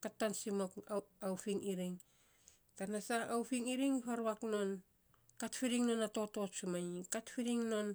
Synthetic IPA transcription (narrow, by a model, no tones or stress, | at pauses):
katːansimokawpiŋiɾiŋ | tanasaːwɸiŋiɾiŋiβaɾβakno̞n | katfiɾiŋno̞nato̞to̞sumaikatfiɾiŋno̞n